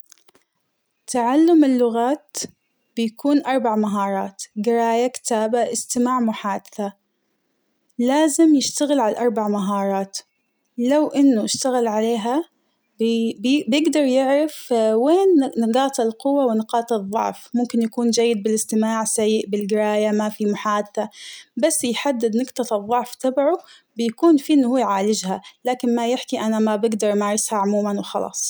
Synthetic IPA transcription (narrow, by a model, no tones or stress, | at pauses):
t̪ʰaʕalːʊmɪlːʊɣaːt̪ | b̥ɪjakuːnʔɑɾˤbaʕmaɦɑːɾˤɑːt̪ɡɪɾaːjakɪ̥t̪aːbaʔɪst̪ɪmaːʕmʊħaːd̪ɪθa | laːzɪmjɪʃt̪aɣɪlʕalaʔɑɾˤbaʕmaɦɑːɾˤɑːt̪ | lawʔɪnːʊʔɪʃt̪aɣɪlʕaleːɦa | bjɪɡd̪ɑɾˤjɪʕɾɪfweːnːɪɡɑːt̪ˤɪlqʊwːawɪnɪqɑːt̪ˤɨðˤːʊ̰ʕfmʊmkɪnjakuːnd͡ʒajːɪd̪̚bɪlɪst̪ɪmaːʕsajːɪʔbɪlɡɪɾaːjamafimʊħaːd̪t̪abasːjħad̪ːɪd̪nɪqt̪ˤɑt̪ɨðˤːʊʕft̪abʕu | bɪjakuːnfiːʔɪnːʊhuːʕaːlɪd͡ʒhalaːkɪnmajɪħkiʔanamabɪɡd̪ɑɾˤʔmaːɾˤɪshaʕʊmuːmanwɪxɑ̰lɑ̰ːsˤ